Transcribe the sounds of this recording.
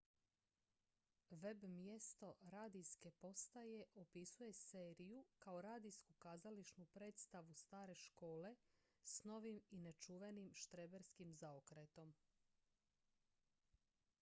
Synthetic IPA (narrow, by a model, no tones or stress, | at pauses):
ʋe̞bmje̞st̪o̞ɾaːd̪iske̞po̞st̪aje̞ʔopisuje̞se̞ːɾijukaoɾaːd̪iskukaːzaliʃnupɾe̞ːt̪st̪aʋust̪aːɾe̞ʃko̞ːle̞ | sno̞ʋimine̞t͡ʃuʋenimʃt̪ɾebeɾskimzaokɾet̪o̞m